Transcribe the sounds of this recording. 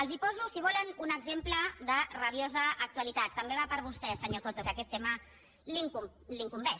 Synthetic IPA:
əlˠzipɔzusiβɔlənunəɡzempləðərəβjozəːk̚t̪uəlit̪at̪ːəmbeβapəɾβust̪ɛsəɲot̪ot̪okəkɛt̪ːɛmə | liŋku | liŋkumbɛ

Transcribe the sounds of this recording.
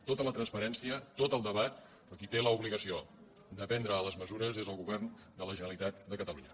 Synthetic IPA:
t̪ot̪ələt̪ɾənspəɾɛnsiət̪ot̪əlˠd̪əβat̪̚ | pɾɔkit̪eləuβliɣəsio | d̪əpɛnd̪ɾəːləzməzuɾəzezəlˠɣuβɛrn | d̪ələʒənəlit̪at̪d̪əkət̪əluɲə

